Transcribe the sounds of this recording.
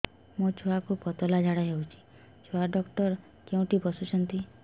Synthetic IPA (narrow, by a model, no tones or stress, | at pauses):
mot͡ʃʰuakupɔt̪ɔlad͡ʒʱaɽaɦewt͡ʃʰi̥ | t͡ʃʰoaɖɔkʈɔɾ | keũʈibɔsut͡ʃʰɔnt̪i